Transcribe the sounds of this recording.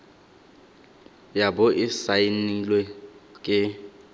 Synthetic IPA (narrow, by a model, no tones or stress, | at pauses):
jabʊʔɪsainilwɛkʼɪ